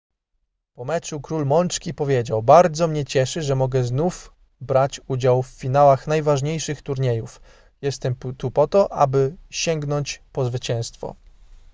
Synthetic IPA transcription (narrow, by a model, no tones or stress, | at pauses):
pɔmɛt͡ʂukɾulmɔnt͡ʂkʲipɔvʲjed͡ʑawbaɾd̪zɔmɲɛt͡ɕɛʂɘʐɛmɔɡɛznuf | bɾat͡ɕud͡ʑawfːʲinawaxn̪ajvaʐɲejʂɘxt̪uɾɲejuf | jɛst̪ɛmt̪upɔt̪ɔʔa̰bɘɕɛŋɡnɔɲt͡ɕpɔzvɘt͡ɕɛ̃w̃st̪fɔ̰